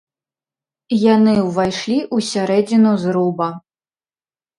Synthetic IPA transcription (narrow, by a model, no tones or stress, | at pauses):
janɨwvajʂlʲiʔusʲaɾɛd͡zʲinuzɾubɐ